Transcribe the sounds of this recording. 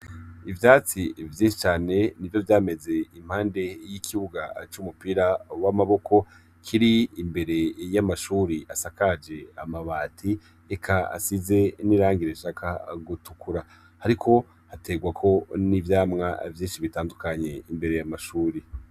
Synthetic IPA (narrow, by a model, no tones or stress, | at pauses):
ivjaːt͡sivjiːnʃit͡ʃaːne̞nivjo̞vjaːme̞ze̞im̥haːnde̞jikʰiβuɡat͡ʃumupiɾawamaβo̞kʰo̞ | kʰiɾiːmbe̞ɾe̞jamaʃuːɾiʔasakad͡ʒe̞amaβaːtʰi | ekʰaa̰size̞niɾaːŋɡiɾeʃakʰa̰ɡutukuɾa | haɾikʰo̞ | hate̞ɡwakʰo̞nivjaːmŋa̰vjiːnʃiβitaːndukaɲe̞imbe̞ɾe̞jamaʃuːɾi